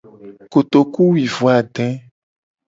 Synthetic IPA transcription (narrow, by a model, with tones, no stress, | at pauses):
ko˨t̪o˨ku˦wi˨vo˨a˨ɖɛ̃˦